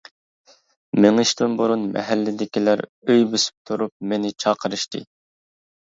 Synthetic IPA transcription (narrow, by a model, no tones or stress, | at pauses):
mɪŋɨʃt̪ɨnbuɾunmɛ̰ɦælːɪd̪ɪkʲilæɾ | øjbøsy̥p̚t̪ʰuɾup̚menɪt͡ʃʰɑːqʰəɾɨʃt̪ʰɨ̰